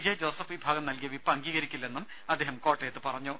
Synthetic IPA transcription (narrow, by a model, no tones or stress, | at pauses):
d͡ʑɐd͡ʑoːsɐfibʱaːɡɐmnɐlkijɐʋipːɐŋɡiːɣɐɾikʲːulːɐenːum | ɐd̪ʱeːɦɐmkoːʈːejt̪ːɨpɐrɐɲːoː